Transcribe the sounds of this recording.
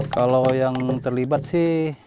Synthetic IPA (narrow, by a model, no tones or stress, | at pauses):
kalojaŋt̪ərlibat̪̚sɪh